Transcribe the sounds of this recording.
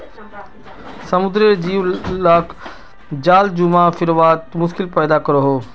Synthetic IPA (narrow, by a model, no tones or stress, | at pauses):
sɐmʊd̪ɾid͡ʑiːʋlaːk | d͡ʑaːld͡ʑʊmafɪɾʋaːt̪mʊʃkɪlpɛːd̪akɐɾoɦoː